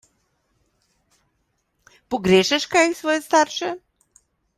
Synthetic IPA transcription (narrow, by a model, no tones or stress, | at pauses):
poɡɾɛʃɛʃkajsvɔjɛst̪aɾʃɛ